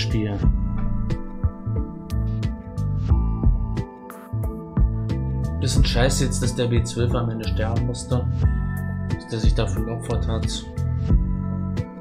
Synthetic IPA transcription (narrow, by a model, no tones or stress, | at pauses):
ʃpiːlən | b̥ɪsn̩ʃaɪsjɛt͡std̥asd̥eːɐbeːt͡sv̥œlfamɛnəʃtɛɐbm̩mʏstə | d̥asd̥eːɐzɪçd̥aːfyɐlɔfɐthat